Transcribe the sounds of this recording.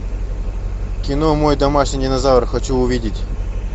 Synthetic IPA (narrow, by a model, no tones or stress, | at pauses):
kʲɪnomojd̪ɐmaʂnʲɨjdʲɪnɐzavrxɐt͡ɕuʊvʲidʲɪtʲ